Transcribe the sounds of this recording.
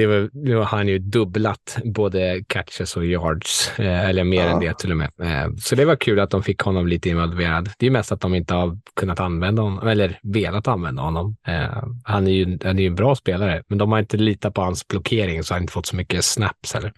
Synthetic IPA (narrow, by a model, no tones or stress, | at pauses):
d̪ɛvɑnʉːhaɾhanjɵd̪ɵblat̪boːd̪əkʰat̪ʂəsɔjɑːɖsɛlːəɾmeːɾɛnd̪ɛt̪ʰɪlːɔmɛ̰sɔd̪ɛvakʰʉ̟ːlat̪̚d̪ɔmfɪkːhɔnːɔmliːt̪əɪnvalveːɾad̪d̪ɛjɵmɛst̪at̪̚d̪ɔmɪnt̪əhaɾkʰɵnːat̪anvɛnd̪ahɔnːɔmɛlːəɾveːlat̪anvɛnd̪ahɔnːɔm̰ | hanæjɵhanɛɾjʉɛnbɾɑːspeːlaɾəmɛnd̪ɔmhaɾɪnt̪əliːt̪at̪̚pʰɔhansblʊkʰeːɾɪŋsɔ̥haɾd̪ɪnt̪ə̥fɔt̪ːsɔmʏkːəsnæ̰pshɛ̰lːəɾ